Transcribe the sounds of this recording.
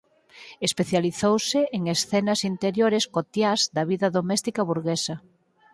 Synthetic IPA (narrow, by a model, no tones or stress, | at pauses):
espeθjaliθowsɪeŋesθɛnɐsint̪eɾjoɾeskot̪jazd̪ɐβiðɐðomɛst̪ikɐβuɾɣesɐ